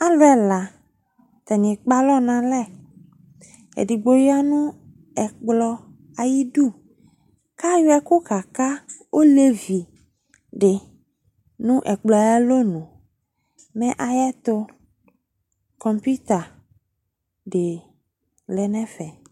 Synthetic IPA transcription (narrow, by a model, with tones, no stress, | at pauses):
a˦lɛ˦la˨ | t̪a˨ɲĩ˨k͡pa˦lɔ˦nã˨lɛ˦˨ | ḛ˨di˨ɡ͡bo˦ja˦nũ˦ | ɛ˨k͡plɔ˦ | a˨ji˦du˦˨ | ka˦jʊ˦ɛ˦ko˦ka˨ka˦wʔo˦le˦vi˨ | ɖɪ˨ | nũ˦ʔɛ˨k͡plɔ˨˦ɛ˦lo˦nũ˨ | mɛ̃˦ʔa˨jɛ˦t̪ʊ˦ | kɔ˨mpu˦t̪a˨ | ɖe˨ | lɛ˨nɛ̃˦fɛ˨